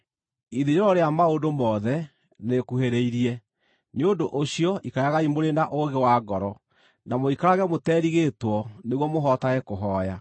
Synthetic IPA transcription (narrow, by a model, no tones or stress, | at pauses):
iðiɾeɾɔɾeamaondomɔðɛ | nekuheɾeiɾiɛ | neondoʔoɕjɔikajaɣaimoɾendaʔoɣewaːɡɔɾɔ | namoikaɾaɣɛmotɛːɾiɣetwɔneɣwɔmoɦɔtaɣɛkoɦɔːja